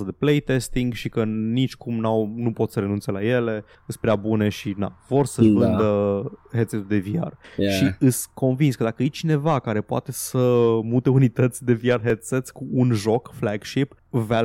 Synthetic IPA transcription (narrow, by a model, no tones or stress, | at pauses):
əd̪e̞plejt̪est̪iŋɡʃikənit͡ʃʲkʰumnawnupo̞t̪səɾe̞nunt̪se̞laje̞le̞ | ɨspɾeabune̞ʃina̰vo̞rsəvɨnd̪əhet̪set̪ud̪e̞via̰rʃiɨsʲkʰo̞nvinskəd̪akəjet͡ʃine̞vakaɾe̞poa̰t̪e̞səmut̪e̞unit̪ət̪sʲd̪e̞viarɦet̪set̪sʲkuːnʒo̞kflaɡʃip | va